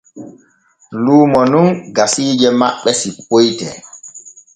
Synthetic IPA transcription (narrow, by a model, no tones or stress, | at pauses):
luːmɔnunɡasiːd͡ʒɛmaɓːɛsipojtɛ̰